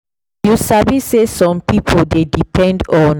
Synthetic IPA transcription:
jusabisesɔ̃mpipʰoldedipʰɛ̃ndɔ̃n

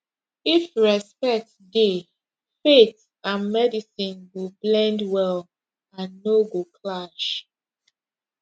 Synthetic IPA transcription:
ifɹɛspɛk̚tde | fet | ãnmɛdisĩnɡublɛ̃ndwɛl | ãnːoɡokʰlaʃ

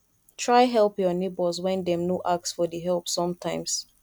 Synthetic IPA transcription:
tʰɹaɪɦɛlˠpjɔnebɔlzwɛ̃ndɛ̃mnoʔaksfɔdiɦɛlˠpsɔ̃mtʰãɪ̃mz̥

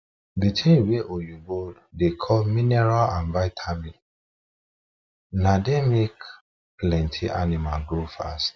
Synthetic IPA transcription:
bitʰĩnweʔojuɡoddekʰɔlminɛɹalãnvaɪtʰamin | nademek | plɛ̃ntʰiʔanimalɡɹofa̰st

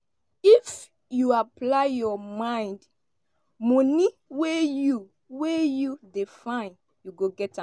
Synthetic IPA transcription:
if | juaplaɪjɔmãɪ̃nd | mɔ̃niweju | wejudefãɪ̃n | juɡoɡɛtã

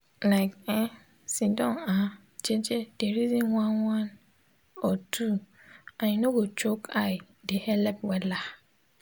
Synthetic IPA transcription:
laɪkɛ̃ | sĩndɔ̃na | d͡ʑɛd͡ʑɛd̥ɛɾizĩnwãnwãn | ɔtʰu | ãɲɪ̃nʊ̃ɡot͡ʃʰokʰa | dɛhɛlɛbwɛla

